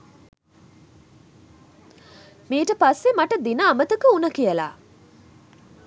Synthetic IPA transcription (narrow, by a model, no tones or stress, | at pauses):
miːʈəpasːemaʈəd̪inəːmət̪əkəunɐkijəla̰ː